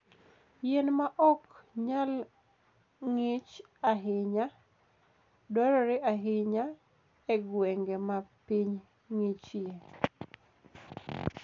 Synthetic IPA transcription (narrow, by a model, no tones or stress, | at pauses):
jenmaʔɔkɲal | ŋɪt͡ʃ | aɦɪɲa | dɔɾɔɾɪʔaɦɪɲa | ɛɡwɛŋɡemapiɲ | ŋɪt͡ʃe